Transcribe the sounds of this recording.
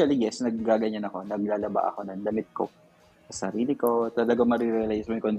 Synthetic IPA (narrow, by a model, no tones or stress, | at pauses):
ɐlɪɡɛsnɐɡːaːɡɐɲanɐko̞nɐɡlaːlɐba̰ʔɐ̰ko̞nɐŋlɐmɪt̪̚ko̰ | sɐsɐɾiːlɪko̞t̪ɐlɐɡaŋmɐɾɪɾɛlajsmojʊŋkond̪